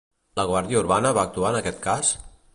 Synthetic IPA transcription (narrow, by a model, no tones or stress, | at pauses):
ləɣwaɾðiəuɾβanəβaːk̚t̪uaənəkɛt̪̚kas